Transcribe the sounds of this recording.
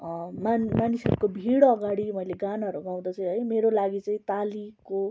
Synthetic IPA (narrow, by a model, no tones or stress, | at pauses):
manmanisʌɾukobʱiɽʌɡaɽimʌjleɡanɦʌɾuɡaw̃d̪at͡sʌĩɦʌjmeɾolaɡit͡sʌĩt̪aliko